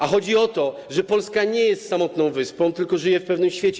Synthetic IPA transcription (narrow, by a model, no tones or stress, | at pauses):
axɔd͡ʑiɔt̪ɔʐɛpɔlskaɲɛjɛst̪samɔt̪nɔ̃w̃vɘspɔ̃w̃t̪ɘlkɔʐɘjɛfpɛvnɘmɕfʲjet͡ɕɛ